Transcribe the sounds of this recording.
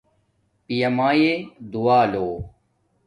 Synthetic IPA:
pijɐmaːjed̪uaːloː

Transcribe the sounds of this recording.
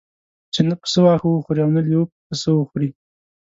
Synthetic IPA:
t͡ʃenapə̥səwɑxəwəxuɾiawnaljəpəsəwəxuɾi

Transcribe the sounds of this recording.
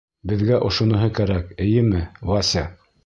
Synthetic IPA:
bɘ̆ðɡæʔŏʃŏnɤ̆ɦɤkæɾækɘ̆jɘmɘlɑsʲa

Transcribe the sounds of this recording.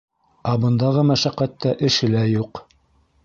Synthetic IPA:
æbɤ̆nd̪ɑʁɤmæʃæqæt̪ːæʔɘ̆ʃɘ̆læjuq

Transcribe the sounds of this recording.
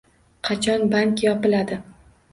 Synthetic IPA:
qʰɑt͡ʃʰɒnbaŋkʲjɒpɪlad̪ɪ

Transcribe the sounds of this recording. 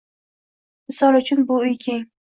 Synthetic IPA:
mɪsɒlʊt͡ʃʰʊnbʊʊjkʲʰeŋ

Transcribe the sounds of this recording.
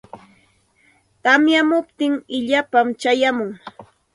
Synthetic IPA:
t̪amjamʊpt̪ɪŋɪʎapamt͡ʃajamʊŋ

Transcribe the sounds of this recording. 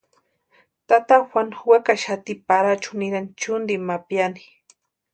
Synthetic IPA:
t̪at̪axanxwakaʃat̪ipaɾat͡ʃʊnɪɾant͡ʃʊnd̪imapjani̥

